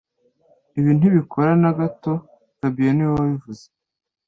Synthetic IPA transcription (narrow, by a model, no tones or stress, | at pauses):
iβiːn̥uβikʰoɾanaɡato̞ | ɡ̥abijoniwaβivuze̥